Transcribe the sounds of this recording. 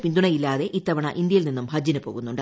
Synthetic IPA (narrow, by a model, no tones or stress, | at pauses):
pind̪uɳɐjilːaːðe̞ʔit̪ːɐʋɐɳɐ̰ʔind̪jɐjilninːumbʱɐd͡ʑɐnɐpoːɣunːuɳɖ